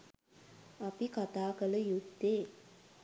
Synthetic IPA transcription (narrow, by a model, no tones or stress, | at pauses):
apikat̪aːkələjud̪ːeː